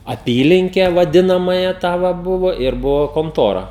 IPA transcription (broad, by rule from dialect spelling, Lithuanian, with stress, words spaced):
ɐˈpʲiːlʲɪŋʲkʲɛ ʋɐˈdʲɪnɐmɑːjæː ˈtɑː ʋɐ ˈbʊʋoː ɪr ˈbʊʋoː koːnˈtoːrɐ